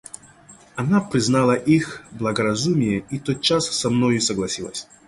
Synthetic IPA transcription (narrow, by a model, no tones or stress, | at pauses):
ɐnapɾʲɪznalˠəʔixblˠɐɡəɾɐzumʲɪjəit̪ot̪̚t͡ɕasːɐmnojʊsəɡlˠɐsʲilˠə̰sʲ